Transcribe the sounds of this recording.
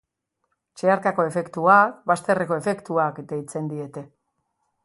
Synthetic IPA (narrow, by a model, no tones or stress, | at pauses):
t͡ʃeaɾkako̞e̞fe̞kt̪uakbast̪e̞reko̞e̞fe̞kt̪uaket̪ait͡se̞nd̪ie̞t̪e̞